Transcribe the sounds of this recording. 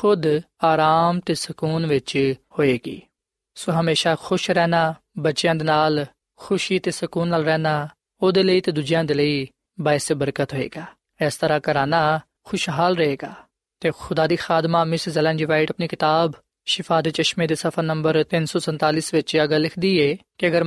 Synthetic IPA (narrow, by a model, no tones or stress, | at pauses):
xʊd̪ | aːɾaːmt̪eːsəkuːnʋɪt͡ʃhoːeːɡḭː | soɦəmeːʃaːxʰʊʃɾɛːnaː | bətːʃejãːd̪eːnaːl | xʰʊʃiːt̪eːsʊkuːnːaːlɾɛːnaː | oːd̪eːləiːt̪eːd̪ʊd͡ʒɪjãːd̪eːləiː | baːɪsebəɾkət̪ɦoːḛːɡaː | ɛːst̪əɾaːkəɾaːnaː | xʰʊʃɦaːlɾəɦeːɡaː | t̪eːxʰʊd̪aːd̪iːxaːd̪maːmɪsɾzəlɛ̃ːnd͡ʒiːʋaːɪʈəpniːkɪt̪aːb | ʃɪpʰaːd̪eːt͡ʃəʃmeːd̪eːsəpʰəɾnəmbəɾt̪ɪnsɔːsə̃nt̪aːliːsʋɪt͡ʃəɡəlɪkʰd̪iːeːkiəɡəɾ